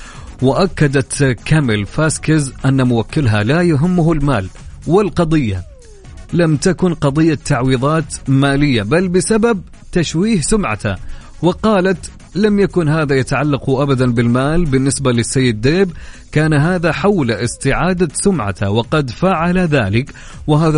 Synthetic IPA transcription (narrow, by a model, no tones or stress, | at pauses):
wɪʔakːad̪at̪kamɪlfaskɪzʔanːamʊwakːɪlɦalajʊɦɪmːʊhʊlmaːlwɪlqɑd̪ˤɨjːa̰ | lamt̪akʊnqɑd̪ˤɨjːat̪ːaʕwiːðˤɑːt̪maːlɪjːabalbɪsabab̚ | t̪aʃwiːhsʊmʕa̰t̪a̰ | wɪqɑːlat̪ | lamjakʊnɦaːðajat̪aʕalːɑqʊʔabad̪anbɪlmaːlbɪnːɪsbalɪsːajːɪd̪ːeːbkaːnɦaːðaħawlʔɪst̪ɪʕaːd̪asʊmʕa̰t̪awɪqɑd̪faːʕalaðaːlɪk | wɪɦaːða